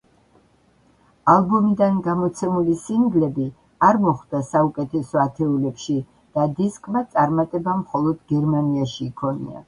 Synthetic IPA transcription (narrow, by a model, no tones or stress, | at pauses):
alˠbɔmid̪anɡamɔt̪sʰɛmulisiŋɡlɛbi | aɾmɔχd̪̥asaukʼɛt̪ʰɛsɔat̪ʰɛulɛpʃi | d̪̥ad̪iskʼmat̪sʼaɾmat̪ʼɛbamχɔlˠɔd̪ɡɛɾmaniaʃiːkʰɔnḭa̰